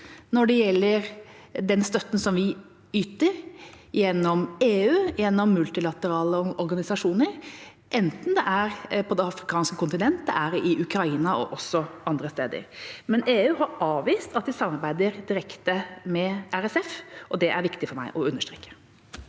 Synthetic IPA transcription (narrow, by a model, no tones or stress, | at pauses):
nɔɖɛjɛlːəɾd̪ɛnst̪œt̪ːn̩sɔmʋɪ | yːt̪əɾ | ɪjɛnːɔmeːʉːjɛnːɔmːʉlt̪ɪlɑt̪əɾɑːləʔɔɾɡɑnɪsɑʂuːnəɾ | ʔɛnt̪n̩d̪ɛʔæɾpʰɔd̪ɛɑfɾɪkʰɑːnskəkʊnt̪ɪnɛnt̪əʔæɾɛʔɪʔʉkɾɑiːnɑʔɔ̰ʔɔsːɔʔɑnd̪ɾəst̪eːd̪ə̰ɾmɛneːʉːɦɑɾɑːʋiːst̪ɑt̪d̪ɪsɑmːɑɾbæɪd̪əɾd̪ɪɾɛkt̪əmɛæɾɛsɛfʔɔd̪ɛʔæɾʋɪkt̪ɪfɔɾmæ̰ɪʔɔʉnːəʂʈ̪ɾḛːkːə̥